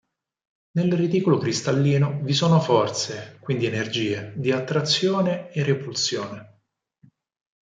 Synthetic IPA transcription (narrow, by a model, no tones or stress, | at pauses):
nelrid̪iːkolokɾist̪alːiːnovisoːnofɔrt̪sekwind̪ienerd͡ʒiːed̪iat̪ːɾat̪sːjoːneerepulsjoːne